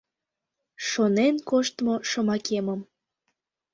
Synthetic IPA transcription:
ʃonenkoʃt̪moʃəmɑkeməm

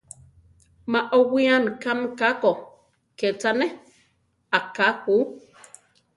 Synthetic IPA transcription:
maʔɔwiankamkakɔ | kɛt͡sanɛ | akakuː

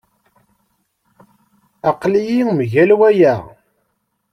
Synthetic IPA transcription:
ɑqlijimʝælwæjæʁ

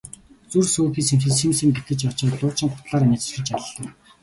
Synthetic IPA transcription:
t͡sursoːxiːseŋxɘ̆ɮsimsɘ̆mpit̪ɡɘ̆t͡ɕat͡ɕɔːt̪ɮʊːt͡ɕɪ̆ŋχʊ̥t̪ɮaːɾanĭːt͡sʃɪ̆t͡ɕaɮɮə̆ŋ

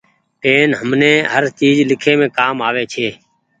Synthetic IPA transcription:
ʈeːnɦəmnẽːɦəɾt͡ʃiːd͡ʒlɪkʰeːmẽːkaːmaːʋeːt͡ʃʰeː

